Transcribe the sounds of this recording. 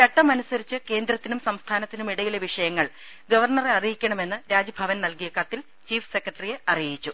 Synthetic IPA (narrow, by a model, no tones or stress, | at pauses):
kɐʈːɐmɐnusɐɾit͡ɕːɨke̞ːnd̪rɐt̪ːinumsɐmst̪ʰaːnɐt̪ːinumiɽɐjileʋiʂɐjɐŋːɐɭ | ɡɐʋɐrɳɐreɐrijikʲːɐɳɐme̞nːɨɾaːd͡ʑɐbʱɐʋɐnnɐlkijɐkɐt̪ːil | t͡ɕiːfsekːɐʈːɐrijeɐrijit͡ɕːu